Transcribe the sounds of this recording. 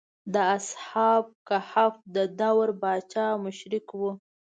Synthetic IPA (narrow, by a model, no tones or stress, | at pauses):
d̪əashɑb̚kahafd̪əd̪awɾbɑt͡ʃɑmʊʃɾɪkwu